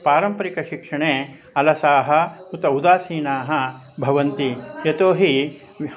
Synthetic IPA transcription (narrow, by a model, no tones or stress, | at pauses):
paːɾɐmpɐɾikɐʃikʂɐɳeː | ɐlɐsaːɦɐut̪ɐud̪aːsiːnaːɦɐ | bʱɐʋɐnt̪ijɐt̪oːɦi